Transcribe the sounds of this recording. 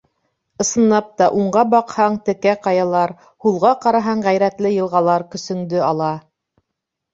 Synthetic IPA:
ɤ̆sɤ̆nːɑp̚t̪ɑʔuɴɢɑbɑqhɑɴt̪ɘ̆kæqɑjɑlˠɑɾ | hulˠʁɑqɑɾɑɦɑɴʁæjɾæt̪lɘjɤ̆lˠʁɑlˠɑɾkɵ̆sɵ̆ŋd̪ɵɑlˠɑ

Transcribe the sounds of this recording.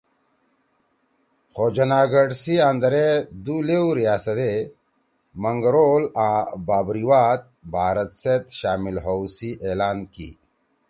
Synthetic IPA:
xod͡ʑɐnaːɡəɖsiand̪ɐɾed̪ulewɾijaːsɐt̪e | mɐŋɡɾoːlãːbaːbɾiwaːt̪̚bʱaːɾɐt̪set̪ɕaːmilɦowsiʔeːlaːnkḭ

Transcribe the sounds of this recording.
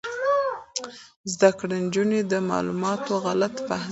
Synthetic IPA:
zd̪akɽand͡ʒuned̪əmɑ̰lṵmɑt̪oɣalat̪pa

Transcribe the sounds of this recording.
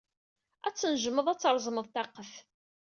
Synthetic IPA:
æt͡sːənʒəmːəðˤæt͡sːɾˤzˤməðˤt̪ɑqːəf

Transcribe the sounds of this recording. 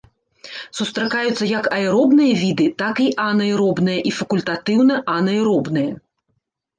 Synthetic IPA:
sust̪ɾɐkajut̪sːɐjɐkɐjɾɔbnɨjɐvʲid̪ɨt̪akiʔanɐjɾɔbnɨjɐʔifɐkulʲt̪at̪ɨwnɐʔɐnɐjɾɔbnɨjɐ

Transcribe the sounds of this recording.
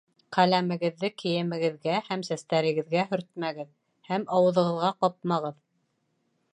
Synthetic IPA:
qælæmɘ̆ɡɘ̆ðːɘkʰɘ̆jɘ̆mɘ̆ɡɘ̆ðɡæhæmsæst̪æɾɘ̆ɡɘ̆ðɡæɦɵ̆ɾt̪̚mæɡɘð | hæmɑwɤ̆ðɤ̆ʁɤ̆ðʁɑqɑp̚mɑʁɤð

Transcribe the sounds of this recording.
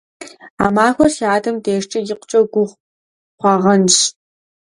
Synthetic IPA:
a̰ːmaːxʷɐrʃaːdɐmdeːʃt͡ʃʼɐjɪqʷt͡ʃʼɐɡʷʊʁʷ | χʷɑːʁɐnʃ

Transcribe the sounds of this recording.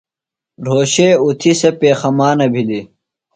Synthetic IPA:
ɾoːɕeːut̪ʰisepeːxɐmaːnɐbʱili

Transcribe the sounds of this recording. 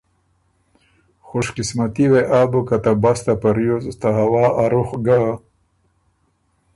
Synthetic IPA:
xoʃqɪsmat̪iweʔaːbokat̪abast̪apaɾjozt̪aɦawaːaɾuxɡa

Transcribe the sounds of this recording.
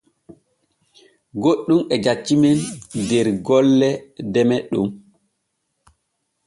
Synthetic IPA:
ɡoɗːumɛd͡ʒat͡ʃːimɛndɛɾɡɔlːɛdɛmɛɗṵm

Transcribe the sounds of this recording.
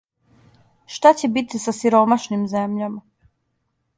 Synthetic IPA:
ʃt̪at͡ɕebit̪isasiɾomaʃnimzemʎama

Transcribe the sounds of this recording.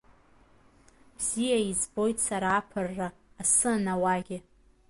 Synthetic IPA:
b̥z̥ijaizbo̞jtsaɾaːpʰɨrːaːsɨnawaɡʲɪ

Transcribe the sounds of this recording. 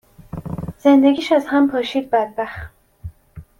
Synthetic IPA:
z̥end̪eɡʲiːʃæzhæmpʰɒːʃiːd̪̚bæd̪̚bæxt̪

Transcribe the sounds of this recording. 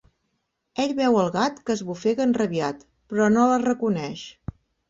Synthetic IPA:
eʎβɛwəlˠɣat̪kəzβufeɣənrəβiat̪ | pɾɔnolərəkunɛʃ

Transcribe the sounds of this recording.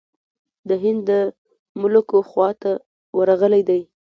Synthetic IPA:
d̪əɦɪnd̪ːə | mʊlkoxwɑt̪a | waɾaɣəlajd̪aj

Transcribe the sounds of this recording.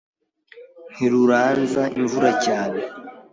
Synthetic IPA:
n̥iɾuɾaːnzaḭɱvuɾacaːne

